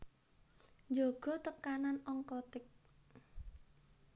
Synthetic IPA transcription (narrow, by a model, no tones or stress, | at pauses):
ɲd͡ʒɔɡ̥ɔ̤t̪əkananɔŋkɔt̪ɪk̚